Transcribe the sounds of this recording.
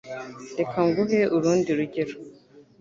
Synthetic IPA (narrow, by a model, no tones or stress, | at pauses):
nde̞kʰaŋɡuɦeʔuɾuːndiɾuɟeɾo